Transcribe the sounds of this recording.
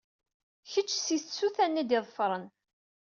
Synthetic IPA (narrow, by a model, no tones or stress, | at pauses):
çət͡ʃːsissuθænːid̪ɪðˤfɾˤən